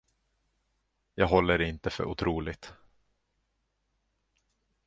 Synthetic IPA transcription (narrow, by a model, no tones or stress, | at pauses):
jɑːɡɦɔlːəɾɪnt̪əfœ̰ɾʔʊ̰t̪ʰɾuːlɪɡt̪